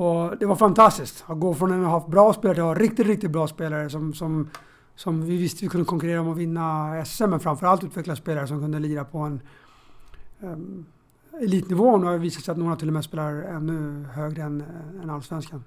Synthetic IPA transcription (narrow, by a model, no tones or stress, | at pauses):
ɔd̪ɛvaɾfant̪ʰast̪ɪskt̪aɡoːfɾɔnɛnɦabɾɑːspeːlaɾʈɪlaɾɪkt̪ɪt̪ɾɪk̚t̪ɪt̪̚bɾɑːspeːlaɾəsɔmsɔm | sɔmvɪvɪst̪əvɪkɵnəkʰɔŋkɵɾeːɾaɔmɔvɪnːaɛsɛsɛmːɛnfɾamfœɾalt̪ʉ̟ːt̪vɛkladspeːlaɾəsɔmkʰɵnd̪əliːɾapʰɔɛn | ɛliːt̪nɪvoːnʉhaviːsat̪sɛjat̪noːɾat̪ʰɪlːɔmɛspeːlaɾɛnːɵhøːɡɾəɛnɛnalsvɛnskan